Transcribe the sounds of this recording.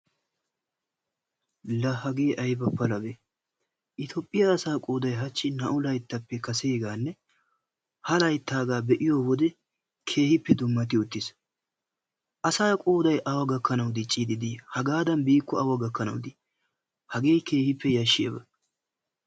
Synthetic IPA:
lɐhɐɡe̞ːʔɐjbɐpːɐlɐbe | ʔɪt̪ʰɔpʼːɪjaːsaːkʼuːd̪ɐjɦɐt͡ʃːɪnɐ̰ʔʊlɐjt̪ːɐpːɛkɐseːɡaːnːɛ | hɐlɐjt̪ːaːɡaːbɛʔɪjoːwɔd̪ɛ | kʰe̞ːhɪpːɛd̪ʊmːɐt̪ɪʊt̪ːɪs | ʔɐsaːkʼuːd̪ɐjʔɐwɐɡɐkːɐnɐwd̪ɪt͡ʃʼːiːd̪ɪd̪ɪjhɐɡaːd̪ɐnbiːkːɔɐwɐɡɐkːɐnɐwʊd̪ɪ | hɐɡe̞ːkʰe̞ːhɪpːɛjɐʃːɪḛbɐ

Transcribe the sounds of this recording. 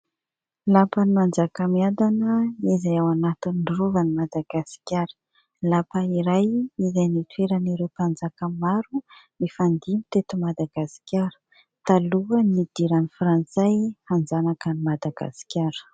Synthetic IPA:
lapənimand͡zakəmiand̪anəizajawanat̪inɳɖ͡ʐruvanimad̪aɡasi̥kʲaɾə̥ | lapaiɾajizajnit̪ueɾaniɾewpand͡zakəmaɾunifand̪imit̪et̪umad̪aɡasi̥kʲjaɾə̥ | t̪aluənid̪̥iɾanifɾant͡sajhand͡zanakənimad̪aɡa̰si̥kʲaɾə̥

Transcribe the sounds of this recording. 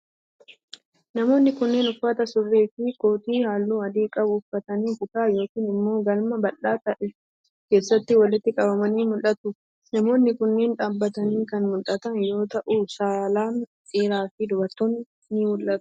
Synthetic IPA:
nɐmo̞ːnːɪkʊnːe̞ːnʊfːɐt̪ɐsʊrːeːfɪko̞ːt̪iːhaːlːuːɐd̪iːkʼɐbʊfːɐt̪ɐniːkʊt̪aːjo̞ːkiːnɪmːo̞ːɡɐlmɐbɐlːaːt̪ɐʔɛ | ke̞ːsːɐt̪ːɪwɐlɪt̪ːɪkʼɐbɐmɐniːmʊlʔɐt̪ʊ | nɐmo̞ːnːɪkʊnːe̞ːnᶑaːbːɐt̪ɐniːkɐnmʊlːɐt̪ɐnjo̞ːt̪ɐʔuːsaːlaːnsʼeːɾaːfɪd̪ʊbɐɾt̪ːoːnː | ɪmʊlʔɐt̪ʊ̥

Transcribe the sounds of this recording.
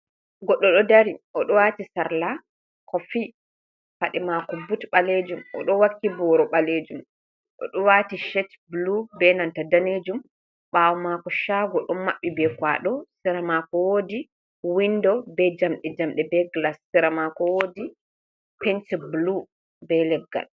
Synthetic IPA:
ɡɔɗːɔɗɔdaɾiʔɔɗɔwatisaɾla | kɔfi | faɗɛmakɔbutɓaled͡ʒumʔɔ̰ɗɔwakːibɔɾɔɓaled͡ʒum | ʔɔ̰ɗɔwatiʃɛt | blubɛnantadaned͡ʒum | ɓawɔmakɔʃaɡɔɗɔmːaɓːibɛkwa̰ɗɔsiɾamakɔwoːdi | windɔbɛd͡ʒamɗɛd͡ʒamɗɛbɛɡlasːiɾamakɔwodi | pɛntblu | bɛlɛb̚ɡa̰l

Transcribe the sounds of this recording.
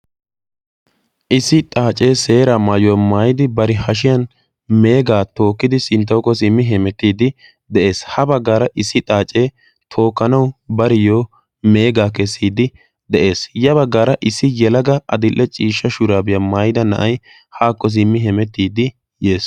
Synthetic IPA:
ʔɪsːɪt̪ʼaːt͡ʃʼe̞ːse̞ːɾamaːjɔwɐmaːjɪd̪ɪbɐɾɪhɐʃ̬ɪjɐn | me̞ːɡaːt̪o̞ːkːɪd̪ɪsɪnt̪̬ːɐwkːɔs̬ɪmːɪɦɛmɛt̪ːiːd̪ɪ | d̪ɛʔe̞ːshɐbɐɡːaːɾɐʔɪsːɪt̪ʼaːt͡ʃʼe̞ː | t̪ʰo̞ːkːɐnɐwbɐɾɪjoː | me̞ːɡaːkɛsːiːd̪ɪ | d̪ɛʔe̞ːsjɐβɐɡːaːɾɐʔɪsːɪjɛlɐɡɐʔɐd̪ɪlʔːɛt͡ʃʼiːʃːɐʃʊɾaːbɪjɐmaːjɪd̪ɐnɐ̰ʔɐj | haːkːɔs̬ɪmːɪɦɛmɛt̪ːiːd̪ɪ | jeːs

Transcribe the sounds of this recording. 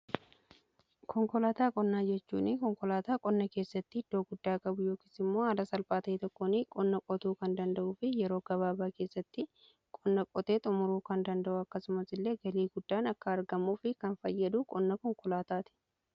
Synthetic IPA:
kʰɔŋkɔlaːt̪aːkʼɔnːaːd͡ʒɛt͡ʃːṵːnɪkɔŋkɔlaːt̪aːkʼɔnːɐkeːsːɐt̪ːɪɪd̪̥ːo̞ːɡʊd̪ːaːkʼɐbʊjoːki̥ːsɪmːo̞ːɐd̪ɐsɐlpaːt̪ɐt̪ɔkːoːnɪkʼɔnːɐkʼɔt̪uːkɐnd̪ɐnd̪ɐʔuːfɪjɛɾoːɡ̥ɐβaːbaːke̞ːsːɐt̪ːɪ | kʼɔnːɐkʼɔt̪e̞ːt̪ʼʊmʊɾuːkɐnd̪ɐnd̪ɐʔʊɐkːɐsʊmɐsɪlːe̞ːɡɐliːɡʊd̪ːaːnɐkːɐːɾɡɐmuːfɪkɐnfɐjːɐd̪uːkʼɔnːɐkɔŋkɔlaːt̪aːt̪ɪ̥

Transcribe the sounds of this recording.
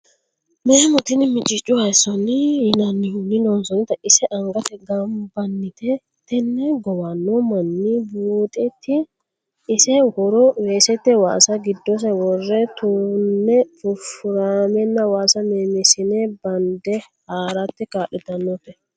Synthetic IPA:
meːmɔt̪ɪnɪmɪt͡ʃʼɪt͡ʃʼːʊhɐjsɔnɪjɪnɐnːɪhʊnːɪnɔnsɔnɪt̪ɐʔɪsɛʔɐŋɡɐt̪ɛɡɐmbɐnːɪt̪ɛ | t̪ːɛnːɛɡɔwɐnːɔmɐnːibuːt̪ʼɛt̪ːɪː | sɛhɔɾɔweːsɛt̪ːɛwa̰ːsɐɡɪd̪ːɔs̬ɛwɔrːɛt̪unːɛfʊfʊɾaːmɛnːɐwaːsɐneːmɪsɪnɛbɐnd̪ɛ | haːɾɐt̪ːɪkaːʔɪt̪ɐnːɔt̪ːɛ

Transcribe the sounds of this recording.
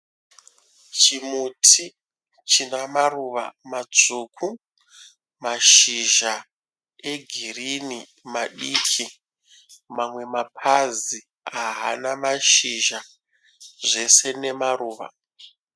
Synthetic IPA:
t͡ʃimutʰi | t͡ʃinamaruʋa̰mad͡zuːkʰu | maʃiʒa | e̞ɡʱirini | maɗiːkʰi | mamwe̞mapʰazi | aɦanamaʃiʒa | ʐe̞se̞ne̞maruːʋa̰

